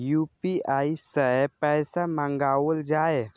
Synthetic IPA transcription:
jupiaisəpɛjsamãŋɡaʋəld͡ʒae

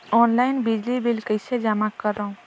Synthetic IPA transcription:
ɔːnlaːɪnbɪd͡ʒlibɪlkəɪsed͡ʒamakːəɾːəũ

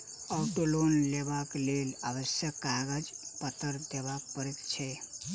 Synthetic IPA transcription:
əwʈolonlebaklelabəsjəkːaɡəd͡ʒpət̪əɾd̪eβakpəɾet̪t͡ʃʰɛ

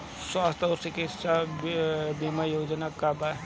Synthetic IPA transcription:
swast̪ʰoɾsikitsa | bimajoːd͡ʒnakaba

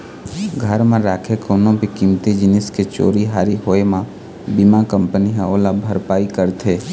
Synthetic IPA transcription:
ɡʱəɾmẽɾaːkʰekoːnõbikimt̪id͡ʒɪnɪsket͡ʃo̰ːɾiɦaːɾiɦoːemã | bimãkəmpəniɦãoːlabʱəɾpaːikəɾt̪ʰeː

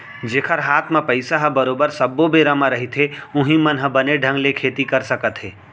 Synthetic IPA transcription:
d͡ʒeːkʰəɾɦaːt̪ʰmãpɐɪsaɦəbɐɾoːbəɾsɐbːobeːɾamãɾɐɦit̪ɦeʊ̃ɦĩmənɦəbəneɖʱə̃ŋɡlekʰeːt̪ikɐɾsɐkət̪ɦeː

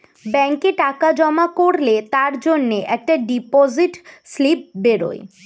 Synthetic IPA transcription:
bɛŋkeʈakad͡ʑɔmakoɾlet̪aɾd͡ʑonːeʔɛk̚ʈaɖipoziʈslip̚beɾo̰ḛ

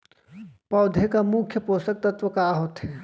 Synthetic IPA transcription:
pɔːd̪ʱekamʊkʰjəpoːsək̚t̪ɐt̪ʋəkaɦot̪ɦɛː

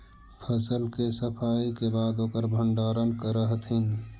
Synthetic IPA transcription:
pʰəsəlkesəpʰaːikebaːd̪oːkəɾbʱə̃ɳɖaːɾənkəɾəɦət̪ʰɦɪn

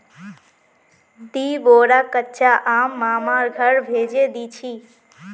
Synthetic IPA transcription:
d̪iːboːɾaːkətːt͡ʃʰaʔaːmːaːmaːɾɡʱəɾbʱeːd͡ʒeːd̪iːt͡ʃʰiː

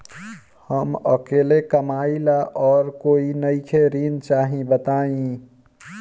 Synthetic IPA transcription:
həməkelekəmailaʔɔːɾkoinəɪkʰeɾint͡ʃaɦĩbət̪aĩ

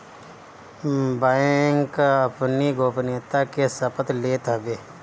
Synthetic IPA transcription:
baŋkəpniɡʱoːpneːt̪akesəpət̪leːt̪əbeː

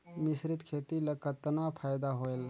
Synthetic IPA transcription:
misɾit̪kʰet̪iləkət̪ːənapʰajd̪aɦoel

